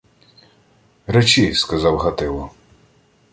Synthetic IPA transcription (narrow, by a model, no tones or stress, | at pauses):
ɾɛt͡ʃʲiskɐzɑwɦɐt̪ɪlˠɔ